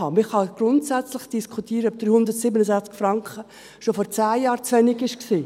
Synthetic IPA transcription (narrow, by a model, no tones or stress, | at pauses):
ɑmɪχhɑɡ̥ɾʊntsæt͡slɪχd̥iskʰutiːɾəœb̚d̥ɾyːhʊndəɾtsiːbənəzæχt͡skfɾɑŋkχə | ʃofɔɾt͡sæːjɑːɾt͡sʋɛnɪɡɪʃksiː